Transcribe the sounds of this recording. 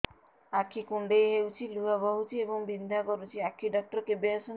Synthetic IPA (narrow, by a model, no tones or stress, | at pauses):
akʰːikuɳɖejɦewt͡ʃʰiluɦabɔɦut͡ʃʰiebɔŋbind̪ʱakɔɾut͡ʃʰiakʰiɖɔk̚ʈɔɾkebesɔn